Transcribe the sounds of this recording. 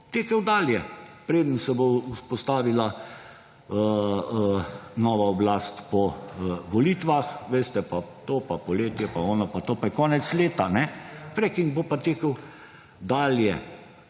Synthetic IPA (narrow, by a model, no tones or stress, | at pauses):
t̪eːkəwd̪aːljɛpɾeːd̪ənsɛbouspɔst̪aːʋila | ə | nɔːʋaɔblast̪pɔʋɔlit̪ʋaxʋeːst̪ɛpat̪oːpapɔleːt̪jɛpaɔːnapat̪oːpajkɔːnɛt̪sleːt̪anɛfɾɛkiŋɡ̚bopat̪eːkəw | d̪aːljɛ̰